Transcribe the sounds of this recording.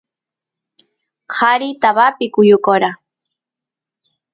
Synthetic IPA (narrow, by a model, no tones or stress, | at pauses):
qʰɑɾit̪aβapɪkʊjʊkoɾa